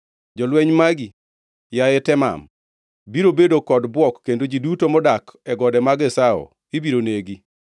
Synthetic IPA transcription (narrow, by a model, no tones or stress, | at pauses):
d͡ʒɔlwɛɲmaɡi | jaɛtɛma̰m | biɾobedokɔdbwɔkːendod͡ʒidutomɔdakɛɡɔdɛmaɡɛsaɔ̰ | ibiɾoneɡi